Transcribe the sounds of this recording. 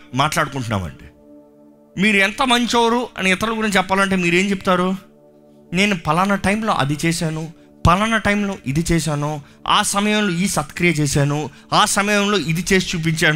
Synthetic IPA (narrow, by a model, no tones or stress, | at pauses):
maːʈlaːɽukuɳʈunːa̰ːmɐ̰ɳɖi | miːɾuɛnt̪ɐmɐɲt͡ʃoːɾuɐ̰niːt̪ɐɾluɡuɾiɲt͡ʃt͡ʃɛpːaːlɐɳʈeːmiːɾe̞ːɲt͡ʃepːut̪aːɾu | ne̞ːnupɐlanɐʈɐjmlo̞̰ːʔɐ̰d̪it͡ʃɛːʃaːnu | pɐlanɐʈɐjmlo̞ːʔid̪it͡ʃɛːʃaːnu | a̰ːsɐmɐjɐmlo̞ːiːsɐt̪kɾijɐt͡ʃɛːʃaːnu | aːsɐmɐjɐmlo̞ːʔid̪it͡ʃe̞ːsi̥t͡ʃuːp̬iɲt͡ʃaːn